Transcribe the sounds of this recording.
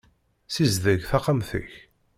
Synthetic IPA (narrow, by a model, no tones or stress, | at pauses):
sizðəʝθɑqːəmθə̰ç